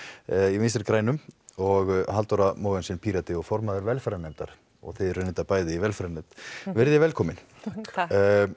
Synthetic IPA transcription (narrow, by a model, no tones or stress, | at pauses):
ivɪnst̪ɪɾkɾaːjnʏmɔɣɦalt̪ɔɾamoːwvɛnsɛnpʰiːɾat̪ɪɔɣfɔɾmaðʏɾvɛlfɾanejmt̪a̰ɾ̥ | ɔ̰ɣθɛðɾʏnːɪt̪apaːjðɪivɛlfaɾanːet̪vɛɾðɪvɛlkʰɔːmɪn